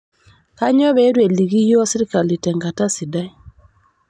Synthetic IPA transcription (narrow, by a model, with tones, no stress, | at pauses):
ka˦ɲɔ˦βɛ˨˦ɾwe˨li˨ɣi˦jɔ˦si˦ɾi˦ka˨li˨tɛ˨ŋɡa˨ta˦si˨da˦i˦˨